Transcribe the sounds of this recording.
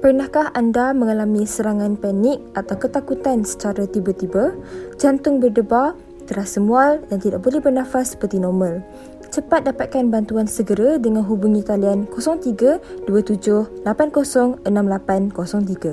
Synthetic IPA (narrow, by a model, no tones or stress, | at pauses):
pərnahkahandamə̃ŋalamĩsəɾaŋãnpanɪk̚at̪awkət̪akut̪ansə̥t͡ʃaɾat̪ibərt̪ibəd͡ʒant̪ʊŋbərdəba | t̪əɾasəmualjaŋt̪idak̚bolɛhbərnãfasːə̥pərt̪inɔmə̃l | t͡ʃəpat̪̚dapat̪̚kanbant̪uansəɡəɾadəŋãnɦubuŋĩkaliankosɔŋt̪iɡaduat̪ud͡ʒʊhlapankosɔŋənãmlapankosɔŋt̪iɡa